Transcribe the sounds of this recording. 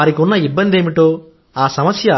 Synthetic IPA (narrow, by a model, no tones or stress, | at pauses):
aːɾikiunːɐibːɐnd̪e̞ːmiʈo̞ː | aːsɐmɐsjɐ